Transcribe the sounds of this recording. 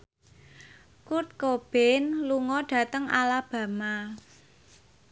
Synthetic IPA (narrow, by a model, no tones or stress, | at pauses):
kut̪̚kob̥ɛnluŋɔɖ̥ä̤t̪əŋʔalab̥ä̤ma